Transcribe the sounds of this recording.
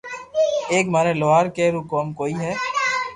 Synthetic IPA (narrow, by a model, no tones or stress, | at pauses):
eːkmaːɾeːloːaːɾkeːɾuːkoːmkoːiːɦɛː